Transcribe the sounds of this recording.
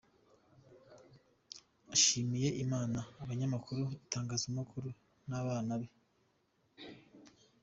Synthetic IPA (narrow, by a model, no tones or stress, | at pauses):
aʃiːmije̞ʔimaːnaːβaɲamakʰuɾuitaːŋɡaːzumukʰuɾu | naβaːnaβe